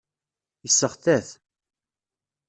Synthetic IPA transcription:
jəsːəχθæθ

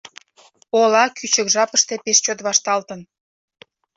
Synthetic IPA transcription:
olɑkʰyt͡ɕə̆kʒɑpəʃt̪e̽peʃt͡ɕot̪βɑʃt̪ɑlt̪ən

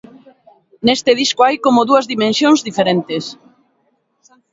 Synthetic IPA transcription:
nest̪ɪð̞iskoajkomoðuɐzðimẽnsjoŋzðifeɾent̪es

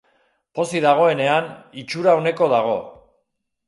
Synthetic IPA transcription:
po̞siðaɣ̞o̞e̞ne̞anit͡ʃuɾaone̞ko̞ðaɣ̞o̞

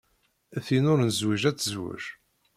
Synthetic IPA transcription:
θinʊɾnzwiʒæt͡sːəzwʊ̰ʒ

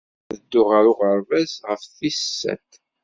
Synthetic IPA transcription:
ðəd̪ːʊʁaɾʊʁəɾvæsʁəfθisːæ̰t̪

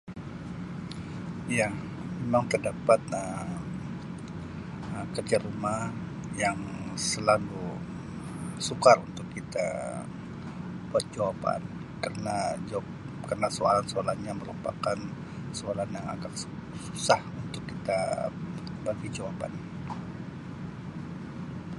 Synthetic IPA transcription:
ja | memaŋt̪ərdapat̪ə | əkərd͡ʒaɾumah | jaŋ | səlalu | sukarunt̪ʊkːit̪a̰ | b̥uat̪̚d͡ʒawapa̰n | kərənad͡ʒ | kərənasoalansoalahɲaməɾupakan | soalanjaŋa̰ɡaksu̥sahunt̪ʊkːit̪a | baɡid͡ʒawapa̰n

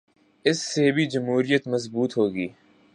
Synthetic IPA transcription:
ɪsːebʱid͡ʒɐmɦuːɾijət̪mɐzbuːt̪ɦoːɡiː

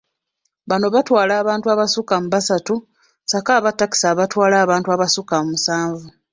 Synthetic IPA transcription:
βano̞βatwaːlaːβaːntuaβasukam̩uβasatu | sakaːβatːaki̥saβatwaːlaːβaːntuaβasukamumusaːɱvu

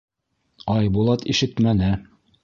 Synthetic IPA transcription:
ɑjbulˠɑt̪iʃɘt̪mænɘ

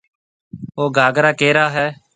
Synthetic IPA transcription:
oːɡʱaːɡɾaːkeːɾaːɦɛː

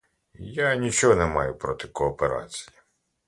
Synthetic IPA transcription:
janʲit͡ʃɔɦɔnɛmɑ̰jʊpɾɔt̪ɪkɔːpeɾɑ̰t͡sʲi̥ji

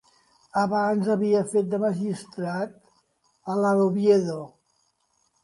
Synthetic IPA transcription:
əβanzəβiəfet̪̚d̪əməʒist̪ɾat̪̚ | ələɾoβjeðo

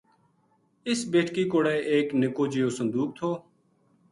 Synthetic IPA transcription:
ɪsbeːʈʰkiːkoːɽɛːʔeːknɪkoːd͡ʒijoːsə̃nd̪uːk̚t̪ʰoː

